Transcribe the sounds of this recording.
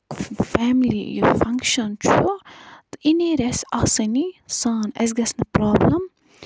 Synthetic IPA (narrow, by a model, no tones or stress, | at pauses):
fɛːmlḭjufɐŋkʃɐnt͡ʃʰut̪ʔineɾɛsɐsɐnisaːnɛ̰s̬ɡɐsnɐpɾaːblɐm